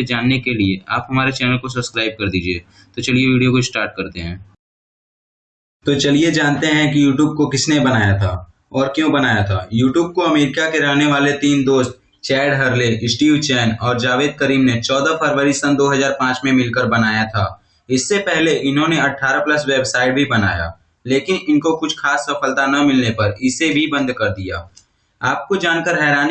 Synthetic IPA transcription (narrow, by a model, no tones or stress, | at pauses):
d͡ʒaːnːekeliea̰ːpɦɐmaːɾet͡ʃɛːnəlkos̬ɐbskɾaːɪb̚kɐɾd̪iːd͡ʒieː | t̪ot͡ʃɐlijeʋiːɖijokoɪsʈaːɾʈ̚kɐɾt̪eɦɛ̰̃ː | t̪ot͡ʃɐlijed͡ʒaːnt̪eɦɛ̃kijuːʈjuːb̚kokɪsnebɐnaːjat̪ʰa̰ː | ɔːɾkjõːbɐnaːjat̪ʰa̰ːjuːʈjuːb̚koɐmeːɾɪkakeɾɐɦneʋaːlet̪iːnd̪oːst̪̚ | t͡ʃɛːɖɦɐɾleʔɪsʈiːut͡ʃɛːnɔːɾd͡ʒaːʋeːd̪̚kɐɾiːmnet͡ʃɔːd̪afʰɐɾʋəɾisɐ̃nd̪oːɦɐzaːɾpãːt͡ʃmẽmɪlkəɾbɐnaːjat̪ʰa̰ː | ɪsːepɛɦleʔɪnɦõneɐʈʰːaːɾaplɐsweːbsaːɪʈ̚bʱibɐna̰ːja̰ː | leːkɪnɪnkokʊt͡ʃʰxaːsːɐfəlt̪anɐmɪlnepɐɾɪsebʱibɐ̃nd̪kɐɾd̪ija̰ː | aːp̚kod͡ʒaːnkəɾɦɛːɾaːn